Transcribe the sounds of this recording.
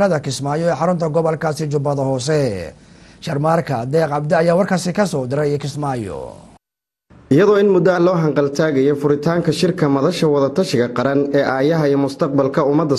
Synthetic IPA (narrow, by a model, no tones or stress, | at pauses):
ɾɐðɐkʰɪsmaːjɔɛːħɑɾʊnt̪ʰɐɡɔβɐlkʰaːsɪt͡ʃʊbɐðɐɦɔːsɛ | ʃɐrmaːrkʰɐd̪ɛːqʕɑb̚d̪ɛɐjaːwɑrkʰaːsɪkʰɐsɔːd̪ɪɾɛjkʰɪsmaːjɔ̰ | ʔɪjɐðɔːɪnmʊd̪ɐɐlɔːɦɐŋqɑlt̪ʰaːɣɛjɔfʊɾɪt̪ʰaːŋkʰɐʃɪrkʰɐmɐðɐʃɐwɐðɐt̪ʰɐʃɪɣɐqɑɾɐnɛːʔaːjɐɦɐiːjmʊst̪ʰɐq̚bɐlkʰɐʊmɐd̪ɐ